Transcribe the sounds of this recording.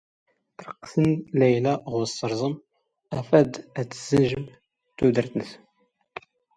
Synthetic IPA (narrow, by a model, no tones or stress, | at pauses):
t̪əɾˤqsənlæjlæʁʊɾsːəɾˤzˤəm | æfæd̪æt͡səz̥ənʒəm | t̪ud̪əɾθnəθ